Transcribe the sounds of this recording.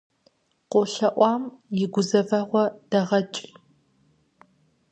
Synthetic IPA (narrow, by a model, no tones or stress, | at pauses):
qʷoɬɐʔʷɑːmjɪɡʷʊzɐvɐʁʷɔd̥ɐʁɐt͡ʃʼ